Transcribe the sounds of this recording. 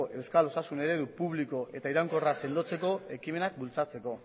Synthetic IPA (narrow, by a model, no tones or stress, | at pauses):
ʔe̞wskalo̞sasune̞ɾe̞ðupuβliko̞ʔe̞t̪aiɾaŋko̞rase̞nd̪o̞t͡se̞ko̞e̞kime̞nak̚bult͡sat͡se̞ko̞